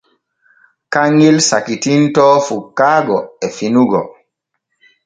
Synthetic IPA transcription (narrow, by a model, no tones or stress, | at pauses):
kaŋːilsakitintɔːfukːaːɡɔɛfinuɡɔ